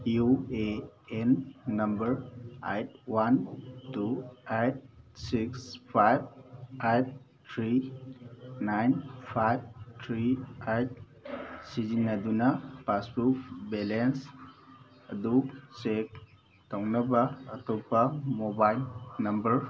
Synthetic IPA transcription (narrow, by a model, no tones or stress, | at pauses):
jueenːɐmbəɾejt̚wantuejt̚sikspʰajb̚ajt̚ | t̪ʰɾi | najnpʰajb̚t̪ʰɾiajt̚ | sid͡ʒinad̪unapaspɾupʰbelens | ɐd̪usek̚ | taŋnɐbaːt̪ʰɔpamobajlnɐmbəɾ